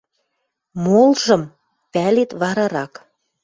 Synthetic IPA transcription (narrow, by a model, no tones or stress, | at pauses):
molʒɤ̆m | pælet̪βɑɾɑɾɑk